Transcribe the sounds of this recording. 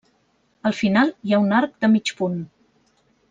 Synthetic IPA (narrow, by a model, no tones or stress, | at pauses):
əlˠfinalˠjaunaɾk̚d̪əmit͡ʃpun